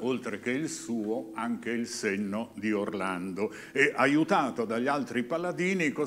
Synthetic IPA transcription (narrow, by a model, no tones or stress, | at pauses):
olt̪ɾek̟eilsuːoaŋk̟eilsenːod̪iorland̪o | ɛʔajut̪aːt̪od̪aʎːalt̪ɾipalad̪iːniko